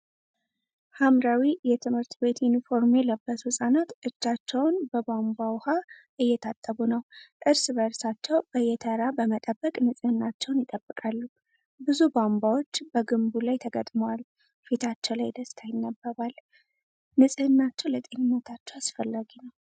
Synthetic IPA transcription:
hamɾawijɛt̪ʰɨmhɨɾt̪be̞t̪junifo̞ɾmjɛləbːəswɨsʼanat̪ʔɨt͡ʃːat͡ʃːɛwnbəbambawha | ʔɨjːɛt̪ʰat̪ʼːəβunəwʔɨɾsbəɾsat͡ʃːɛwb̥əjːɛt̪ʰəɾabəmət̪ʼəbːəkʼnɨsʼɨhɨnːat͡ʃːɛwnjɪt̪ʼəbːɨkʼalːu | bɨzubambawo̞t͡ʃːbəɡɨmbulajt̪ʰəɡət̪ʼməwal | fit̪ʰat͡ʃːɛwlajd̪əst̪ʰajɪnːəbːəβal | nɨsʼɨhɨnːat͡ʃːɛwlət̪ʼenmo̞t̪ʰat͡ʃːɛwasfəlːəɡinəw

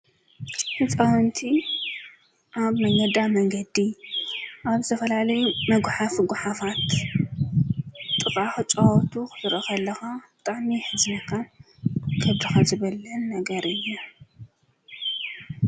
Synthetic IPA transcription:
hɨt͡sʼawɔnt̪ʰi | ʔaβmɐŋɡɐd̪amɐŋɡɐd̪i | ʔaβzɨt̪ʰɐfɐlalɐjumɐɡʷħafɡʷħafat̪ | t̪ʼːɨkʼaxt͡ʃʼɐwɔt̪ʰuxɨ̥t̪ʼɨɾʔɐxɐlːɐxabɨt̪ʼaʕmiħɨznɐkʰan | kʰɐβd̪ɨxazɨβɐlɐnːɐɡɐɾɨjːu

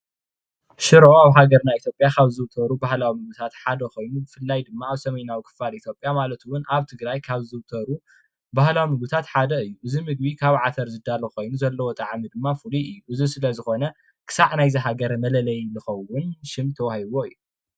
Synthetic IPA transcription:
ʃɨɾoaβɦaɡɐɾnait̪ʰjo̞pʼjakʰaβzɨwt̪ʰɐɾubahlawimɨɡ̚bɨt̪ʰat̪ħad̪ɐxo̞jnubɨfɨlːajd̪ɨmːaːβsɐmɐjnawikʰɨ̥falʔit̪ʰjopʼjamalɐt̪wʊnʔaβt̪ʰɨɡɾajkʰaβzɨwt̪ʰɐɾu | bahlawimɨɡ̚bt̪ʰat̪ħad̪ɐɨjːuʔɨzimɨɡ̚bikʰaβʕat̪ʰɐɾzɨd̪alɐko̞jnuzɐlːɐwot̪ʼaʕmid̪ɨmːafuliɨjːuʔɨzisɨlɐzɨxo̞nɐ | kʰɨ̥saʕnajzɨɦaɡɐɾmɐlɐlɐjnɨxɐwːʊnʃɪmt̪ʰɐwahiβoɨ̰jːu

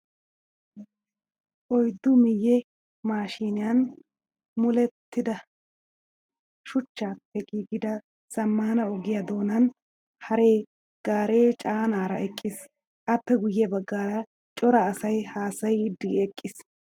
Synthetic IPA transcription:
ʔɔjd̪ːʊmɪjːɛ | maːʃiːnɪjan | mʊlɛt̪ːɪd̪ɐ | ʃʊt͡ʃːaːpːɛɡiːɡɪd̪ɐ | sɐmːaːnɐɔɡɪjad̪o̞ːnɐn | hɐɾeː | ɡ̥aːɾe̞ːt͡ʃʼaːnaːɾɐʔɛkʼːɪs | ʔɐpːɛɡʊjːɛbɐɡːaːɾɐ | t͡ʃʼɔɾɐːsɐjhaːsɐjɪd̪ːɪɛkʼːɪs

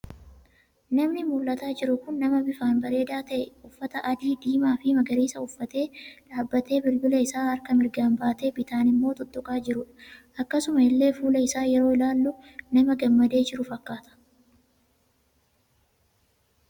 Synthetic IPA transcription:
nɐmnɪmulːɐt̪aːd͡ʒɪɾʊkʊnːɐmɐbɪfaːnbɐɾe̞ːd̪aːt̪ɐʔɛʊfːɐt̪ɐʔɐd̪iːd̪iːmaːfɪmɐɡɐɾiːsɐʊfːɐt̪e̞ːᶑaːbːɐt̪e̞ːbɪɾbɪlɐɪsaːɐɾkɐmɪɾɡaːnbaːt̪e̞ːbɪt̪aːnɪmːo̞ːt̪ɔt̪ːɔkʼaːd͡ʒɪɾʊᶑɐ̥ʔɐkːɐsʊmɐɪlːe̞ːfuːlɐɪsaːjɛɾo̞ːɪlaːlːʊnɐmɐɡɐmːɐd̪e̞ːd͡ʒɪɾʊfɐkːaːt̪ɐ̥

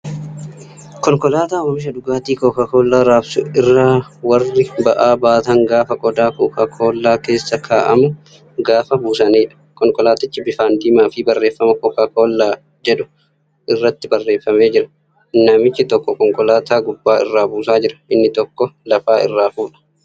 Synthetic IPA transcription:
kɔŋkɔlaːt̪aːwɐmɪʃ̬ɐᶑʊɡaːt̪iːkɔkakoːlːaːɾaːbsʊɪrːaːwɐrːɪbɐʔaːbaːt̪ɐŋɡaːfɐkʼɔd̪aːkɔkakʰoːlːaːke̞ːsːɐkʰaːʔɐmʊ | ɡaːfɐbuːsɐneːᶑɐ̥ | kɔŋkɔlaːt̪ɪt͡ʃːɪbɪfaːnd̪ɪmaːfɪbɐrːe̞ːfːɐmɐkɔkakoːlːaː | d͡ʒɛᶑʊ̥ | ʔɪrːɐt̪ːɪbɐrːe̞ːfːɐme̞ːd͡ʒɪɾɐ̥ | nɐmɪt͡ʃːɪt̪ɔkːɔkɔŋkɔlaːt̪aːɡʊbːaːɪ̰rːaːbuːsaːd͡ʒɪɾɐ̥ɪnːɪt̪ɔkːɔlɐfaːɪ̰rːaːfuːᶑɐ̥

